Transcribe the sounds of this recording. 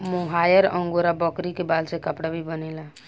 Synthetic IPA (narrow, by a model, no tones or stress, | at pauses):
moɦajəɾə̃ŋɡoɾabəkɾikebalsekəpɽabʱibənɛla